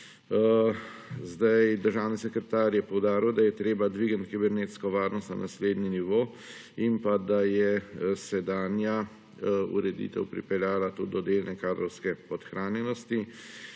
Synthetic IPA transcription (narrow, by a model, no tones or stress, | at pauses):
zd̪ajd̪əɾʒaːwnisɛkɾɛt̪aːɾjɛpɔwd̪aːɾiwd̪ajɛt̪ɾeːbad̪ʋiːɡənt̪kibɛɾneːt̪skɔʋaːɾnɔst̪na̰nasleːd̪niniʋoː | impad̪ajɛsɛd̪aːnja | ṵɾɛd̪ḭt̪ɛ̰wpɾḭpɛljaːlat̪ud̪ɔd̪eːlnɛkaːd̪ɾɔwskɛpɔt̪xɾaːnjɛnɔst̪i